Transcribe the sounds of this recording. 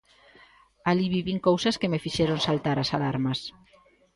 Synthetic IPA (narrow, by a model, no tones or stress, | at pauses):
aliβiβiŋkowsaskemefiʃeɾonsalt̪aɾasalaɾmas